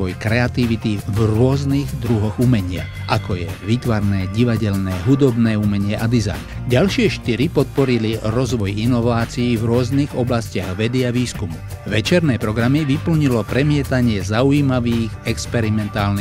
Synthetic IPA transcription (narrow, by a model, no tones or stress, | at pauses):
ʋɔjkɾɛat̪iʋit̪ivɾʊɔzniɣd̪ɾuɦɔɣumɛɲɪa̰ | ʔakɔjɛʋit̪ʋaɾnɛːɟiʋaɟɛlnɛːɦud̪ɔbnɛːumɛɲɪɛʔad̪iza̰jn | ɟalʃɪɛʃt̪iɾipɔt̪̚pɔɾiliɾɔzʋɔjinɔʋaːt͡siivɾʊɔzniɣɔblascɪaɣʋɛd̪iaʋiːskumuʋɛt͡ʃɛɾnɛːpɾɔɡɾamiʋipl̩ɲilɔpɾɛmɪɛt̪aɲɪɛzaujiːmaʋiːɣɛkspɛɾimɛnt̪aːlni